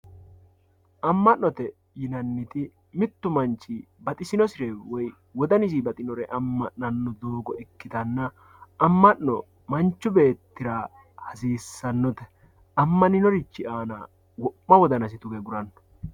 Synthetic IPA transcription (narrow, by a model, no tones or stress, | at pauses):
ʔɐmːɐnːɔt̪ɛ | jɪnɐnːɪt̪ɪ | mɪt̪ːʊmɐnt͡ʃːɪbɐt̪ʼɪsɪnɔsɪɾɛwɔj | wɔd̪ɐnɪs̬ibɐt̪ʼɪnɔɾɛʔɐmːɐnːɐnːɔd̪oːɡɔɛkːɪt̪ɐnːɐ | ɐmːɐnːɔ | mɐnt͡ʃːʊbe̞ːt̪ːɪɾa | hɐsiːsːɐnːɔt̪ɛ | ɐmːɐnɪnɔɾɪt͡ʃːɪaːnɐ̰ | wɔʔːɐwɔd̪ɐnɐsɪt̪ʊɡɛɡʊɾɐnːɔ̥